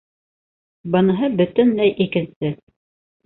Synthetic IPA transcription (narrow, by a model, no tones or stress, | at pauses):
bɤ̆nɤ̆ɦɤbɵ̆t̪ɘnlæjʔikɘ̆nsɘ